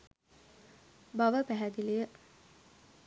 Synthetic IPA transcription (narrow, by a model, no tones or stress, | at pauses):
baʋəpæɦæd̪ilijə